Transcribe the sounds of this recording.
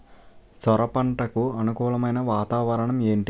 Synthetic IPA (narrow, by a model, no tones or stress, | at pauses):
sɔɾɐpɐɳʈɐkuɐnukuːɭɐmɐjnɐʋaːt̪aːʋɐɾɐɳɐme̞ːɳʈi